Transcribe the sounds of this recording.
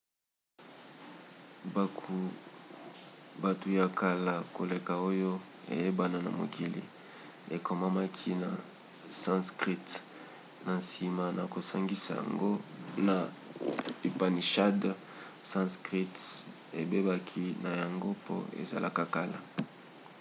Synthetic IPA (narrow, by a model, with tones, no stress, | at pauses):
ba˨tu˨ja˨kʰa˨la˨ko˨le˨ka˨o˦jo˦ | ḛ˨je˦ba˨na˨na˨mo̰˨ki˨lḭ˨ | e˨kʰo˨ma˦ma˦kʰi˦na˨ | sã˦skʁi˦t | na˨nsi˨ma˨na˨ko˨sa˦ŋɡi˦sa˨ja̰˨ŋɡo˦na˨ | i˨pa˨ni˨ʃa˦d | sã˦skʁi˦t | e˨be˦ba˦kʰi˦na˨ja˨ŋɡo˦po̰˦ḛ˨za̰˨lʔa̰˦ka˨ka˦la̰˨